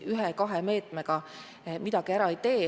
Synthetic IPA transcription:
yɦekɑɦeme̞ːt̪ˑme̞ɡ̥ɑ | mid̪̥ɑɡ̥iæɾɑejt̪e̞ː

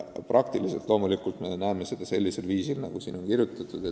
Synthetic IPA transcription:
prɑk̚t̪ilise̞lt̪ˑlo̞ːmulikːult̪me̞næeme̞se̞d̪̥ɑse̞lʲːise̞lviːsilnɑ̰ɡ̥usḭːno̞nkirjut̪ːˑɑt̪ːˑud̪̥et̪

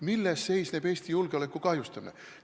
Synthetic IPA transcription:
milːesːe̞jsneb̥e̞ːsʲt̪ijulɡ̥eole̞kːˑukɑjust̪ɑmine

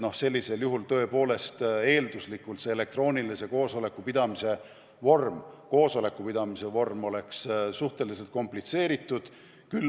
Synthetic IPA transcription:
no̞hse̞lʲːise̞ljuɦult̪ɤ̞epo̞ːle̞st̪e̞ːld̪̥uslikːˑult̪seele̞k̚t̪ro̞ːnʲilise̞ko̞ːso̞le̞kːˑupid̪̥ɑmise̞ | vo̞rmko̞ːso̞le̞kːˑupid̪̥ɑmise̞vo̞rmo̞le̞kssuht̪e̞lis̬e̞lt̪̚ko̞mplit̪se̞ːɾit̪ːˑud̪̥ | kyl

